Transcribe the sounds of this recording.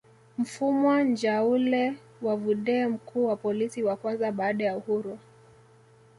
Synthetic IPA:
m̩fumwand͡ʒaulɛ | wavuɗɛːm̩kʰuːwapɔlisiwakwanzaɓaːɗajauhuɾu

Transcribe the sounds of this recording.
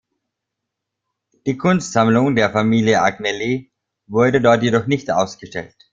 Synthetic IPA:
d̥iːkʰʊnstz̥amlʊŋdeːɐfamiːljəʔaɡnɛli | vʊɐdədɔɐtjedɔχnɪçtʔa̰ʊsɡ̥əʃtɛ̰lt

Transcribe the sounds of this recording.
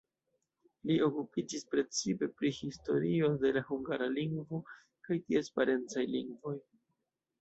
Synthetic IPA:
lio̞kupid͡ʒispɾe̞t͡sipe̞pɾihisto̞̰ɾio̞de̞lahuŋɡaɾaliŋɡvo̞ | kajtiespaɾe̞nt͡sajliŋɡvo̞j

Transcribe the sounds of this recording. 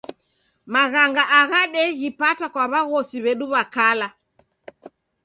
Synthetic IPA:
maɣaŋɡaʔaɣaɗɛɣipatakwaβaɣɔsiβɛɗuβakala

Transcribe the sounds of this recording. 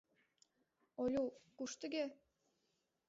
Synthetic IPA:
olʲukuʃt̪ə̆ɡʲe

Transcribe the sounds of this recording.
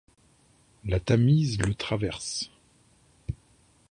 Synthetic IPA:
lat̪amizlət̪χavɛʁs

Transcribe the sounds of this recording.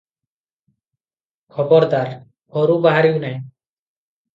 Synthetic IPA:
kʰɔbɔɾd̪aɾ | hɔɾubaɦaɾiwnɛj

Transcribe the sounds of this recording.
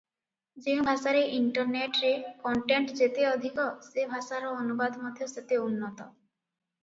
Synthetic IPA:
d͡ʒẽbʱaʃaɾeʔiɳʈɔɾneʈɾekɔɳʈeɳʈd͡ʒet̪eɔd̪ʱikɔsebʱaʃaɾɔːnubad̪ʱmɔd̪ʱjɔset̪eunːɔt̪ɔ

